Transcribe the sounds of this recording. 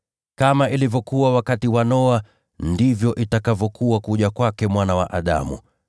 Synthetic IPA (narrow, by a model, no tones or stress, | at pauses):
kamaʔilivɔkuwawakatiwanɔa | ndivjɔʔitakavɔkuwakuʄakwakɛmwanawa̰ʔaɗa̰mṵ